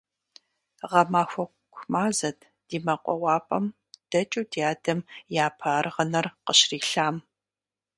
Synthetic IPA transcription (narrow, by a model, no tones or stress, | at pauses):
ʁɐmaːxʷɔkʷʰmaːzɐtʰ | d̥iːmɐqʷʼɔ̰wɑːpʼɐm | d̥ɐt͡ʃʼudʰiaːdɐmjaːpʰaːrʁɐnɐrqəɕriːɬaːm